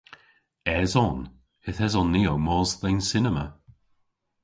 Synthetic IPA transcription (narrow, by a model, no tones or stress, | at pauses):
ɛzɔn | ɪθɛzɔnːiowmɔːzðensɪnəmə̰